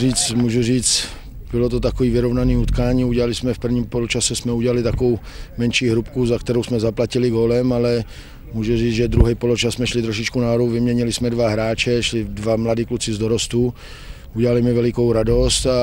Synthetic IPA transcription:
riːt͡smuːʒuriːt͡st̪ | b̥ɪlot̪ot̪̬akoviːvɪɾovnaniːut̪kaːɲiːuɟɛlalɪsmɛfpr̩vɲiːmpolot͡ʃasɛsmɛuɟɛlalɪt̪akovow | mɛnʃiːɦɾupkuzakt̪ɛɾowsmɛzaplacɪlɪɡolɛmalɛ | muːʒuriːd͡zʒɛd̪ɾuɦɛjpolot͡ʃasmɛʃlɪt̪ɾoʃɪt͡ʃkunaɦodowvɪmɲɛɲɪlɪsmɛdvaɦɾaːt͡ʃɛʃlɪdvamladiːklut͡sɪzdoɾost̪u | uɟɛlalɪmɪvɛlɪkowɾado̞st̪a

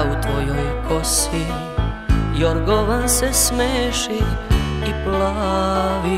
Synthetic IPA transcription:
ut̪ʋojojkʰosi | joɾɡoʋansɛsmeːʃiː | plaʋi

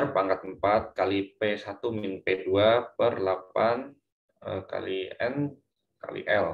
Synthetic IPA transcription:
rpaŋkat̪̚əmpat̪̚kalipesat̪uminpeduapərlapan | əka̰liɛn | ka̰lḭʔɛl

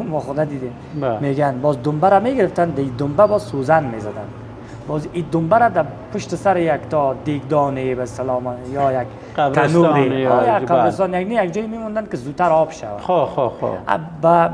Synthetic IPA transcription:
mɔχɔd̪ad̪id̪em | meɡanbɔzd̪ʊmbaɾameɡɪɾɪft̪and̪aid̪ʊmbabɔzsuzanmezad̪a̰n | bɔzid̪ʊmbaɾad̪apʰʊʃt̪ɪsaɾɪjakt̪ʰɔd̪eɡd̪ɔnebast̪ɪlɔmjɔjak̪ʰ | anuɾeɔjaqʰabɾɪst̪ɔnjaɡnijak̚d͡ʒɔjimemɔnd̪ankɪzut̪ʰːaɾɔbʃa̰va̰ooo̰a̰ba

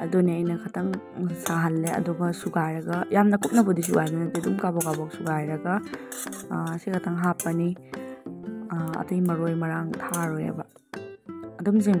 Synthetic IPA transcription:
ɐdoniɐjnɐkʰɐtʰɐŋ | saɦɐlːeɐ̰duɡɐsuɡajɾɐɡɐjamnɐkup̚nɐbɐdis̬uɡajbɐnɐtidumkabɔkabɔksuɡajɾɐɡɐ | ɐsikʰɐtʰɐŋɦapːɐni | ɐ̰tɐjmɐɾojmɐɾaŋtʰaɾojɐ̰bɐ | ɐdumziŋ

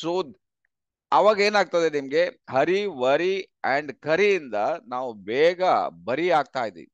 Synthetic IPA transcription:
suːd̪ | ɐʋaːɡe̞ːnaːɡ̚t̪ɐd̪enimɐɡe̞hɐɾiʋɐɾiɛɳɖkɐɾijind̪ɐnaːʋubɛːɡɐbɐɾiaːɡ̚t̪aːjid̪ḭʋḭ

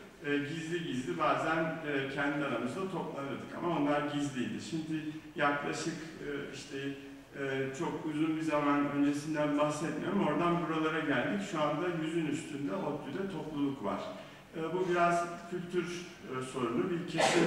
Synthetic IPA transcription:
ɟizlʲiɟizd̪ibaːzænːcʰɛnd̪ʲiaɾamɯzd̪at̪ʰo̞plˠanɯɾd̪ɯka̰mao̞nlˠaɾɟizlʲijd̪ḭʃimd̪ɪjaklˠaʃɯkɯiʃt̪ʰɛ | t͡ʃʰo̞kuzunbizamanø̞nd͡ʒe̞sind̪ænbahsɛt̪mijoɾumo̞ɾd̪anbuɾalˠaɾaɟælʲd̪icʃuand̪ajyzynyst̪ʰynd̪ɛot̪ʰːujd̪ʲɛt̪ʰo̞plˠulˠukva̰ɾ̥ | ɯːbubiɾaz̥cʰylʲt̪ʰyɾ | so̞ɾunubicʰesi

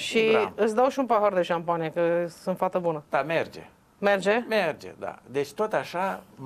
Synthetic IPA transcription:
ʃiɨt̪s̬ʲd̪awʃiunpaɦard̪e̞ʃampanijekəsɨnt̪fart̪ebunəd̪̥amerd͡ʒḛ | me̞rd͡ʒemerd͡ʒḛd̪a̰d̪et͡ʃʲt̪ot̪aʃa

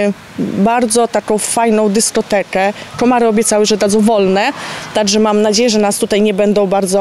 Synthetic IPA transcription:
baɾd̪zɔt̪akɔ̃w̃fajnɔ̃w̃d̪ɘskɔt̪ɛkɛkɔmaɾɘɔbʲjɛt̪sawɘʐɛd̪ad̪zɔ̃w̃vɔlnɛt̪aɡʐɛmamnad͡ʑejɛʐɛnast̪ut̪ajɲɛbɛnd̪ɔ̃w̃baɾd̪zɔ

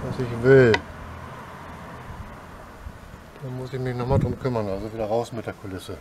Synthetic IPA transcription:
v̥asɪçv̥ɪl | d̥aːmʊsɪçmɪçnɔχmaːldʁʊmkʰʏmɐnʔalzoviːdɐʁaʊsmɪt̚d̥eːɐkʰʊlɪsə

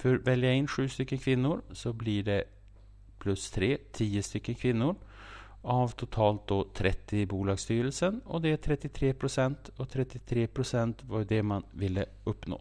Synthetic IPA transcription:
fœɾvɛljaɪnːɧʉːst̪ʏkːənkʰvɪnːʊɾsɔblɪɖɛ | pʰlɵst̪ʰɾeːt̪ʰiːəst̪ʏkːənkʰvɪnːʊɾ | avt̪ʰʊt̪ʰɑːlt̪̚d̪oːt̪ʰɾʔɛt̪ːɪbuːlɑːɡst̪yːɾəlsənɔd̪ɛʈ̪ʰɾɛt̪ːɪt̪ʰɾeːpʰɾʊsɛnt̪ɔt̪ʰɾɛt̪ːɪt̪ʰɾeːpʰɾʊsɛnt̪vaɾjd̪ɛmanvɪlːə | ɵpːno̰ː

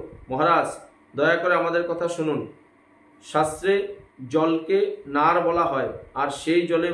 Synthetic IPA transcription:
mɔɦaɾad͡ʑ | d̪ɔeakoɾeamad̪eɾkɔt̪ʰaʃunun | ʃast̪ɾed͡ʑɔlkenaɾbɔlaɦɔeaɾʃejd͡ʑɔle

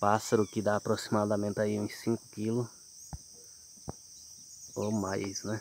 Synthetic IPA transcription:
pasɐɾʊkɪd̪aːpɾosimad̪ɐmẽnt̪ɪaiũsĩkʊ̥kilʊ | omajsnɛ

